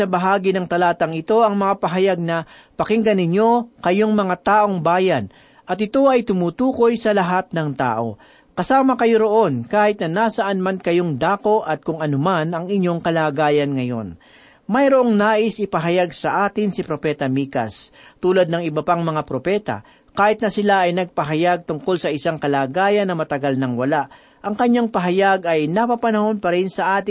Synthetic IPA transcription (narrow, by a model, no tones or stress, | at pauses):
ɐbɐɦaːɡɪnɐŋt̪ɐlaːt̪ɐŋɪt̪o̞ɐŋmɐŋapɐɦɐjaɡ̚nɐ | pɐkɪŋɡɐnɪɲo̞kɐjo̞ŋmɐŋat̪aːʔo̞ŋbaːjɐn | ʔɐt̪ɪt̪o̞ʔɐjt̪ʊmuːt̪uːko̞jsɐlɐɦat̪̚nɐŋt̪a̰ːʔo̞̰ | kɐsaːmɐkɐjo̞ɾo̞ʔo̞nkaːhɪt̪̚nɐnaːsɐʔanmankɐjo̞ŋd̪aːko̞ʔɐt̪̚kʊŋɐnomanɐŋɪɲjo̞ŋkɐlaːɡaːjɐnŋɐjo̞̰n | mɐjɾoʔo̞ŋnaːʔɪsʔɪpɐɦɐjaɡsɐʔaːt̪ɪŋsɪpɾo̞pɛːt̪ɐmiːkɐ̰st̪uːlɐd̪̚nɐŋɪbɐpaŋmɐŋapɾo̞pɛːt̪a̰ | kaːhɪt̪̚nɐsɪlaʔɐjnɐɡ̚pɐɦɐjaɡ̚t̪ʊŋko̞lsɐʔɪsaŋkɐlaːɡaːjɐnːɐmɐt̪ɐɡalnɐŋwɐlaʔ | ʔɐŋkɐɲːaŋpɐɦɐjaɡɐjnɐpɐpɐnɐho̞npɐɾɪnsɐʔaːt̪ɪ